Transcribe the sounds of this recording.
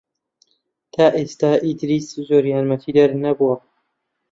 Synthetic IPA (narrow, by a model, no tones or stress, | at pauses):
t̪ʰaːʔest̪aːʔit̪ʰɾiːszoːɾjaːnmɐt̪ʰiːd̪ɐɾnɐbuwɐ